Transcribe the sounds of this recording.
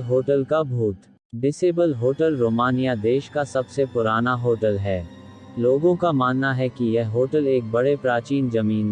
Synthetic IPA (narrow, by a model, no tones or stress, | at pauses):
ɦoːʈəlkabʱuːt̪ | ɖɪseːbəlɦoːʈəlɾoːmaːnijad̪eːʃkasɐbsepʊɾaːnaɦoːʈəlɦɛː | loːɡõkamaːnːaɦɛkijɛɦoːʈəleːk̚bɐɽepɾaːt͡ʃiːnzɐmiːn